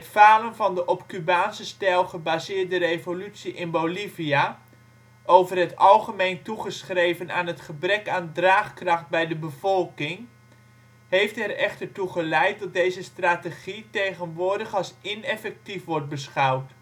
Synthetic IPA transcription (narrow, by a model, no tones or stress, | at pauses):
ətfaːlənvɑndəʔɔpkybaːnsəstɛlˠχəbaːzɪːɹdərejvolytsiʔɪnbowlivia | ʔowvərɦətɑlˠχəmejntuχəsχrejvəna̰ːnɦətχəbrɛkaːndraːχkrɑχt̚bɛjdəbəv̥ɔlˠkɪŋ | hejftɛrɛχtəɹtuχəlɛjt̚dɑt̚dejzəstrateχitejχənʋʊːɹdəχɑlˠsɪnɛfɛk̚tifʋɔɹt̚bəsχɑwt